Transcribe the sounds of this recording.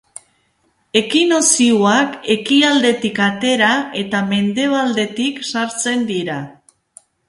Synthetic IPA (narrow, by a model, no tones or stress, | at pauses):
e̞kinosiuake̞kiald̪e̞t̪ikat̪e̞ɾae̞t̪ame̞nd̪e̞β̞ald̪e̞t̪iksaɾt͡se̞nd̪iɾa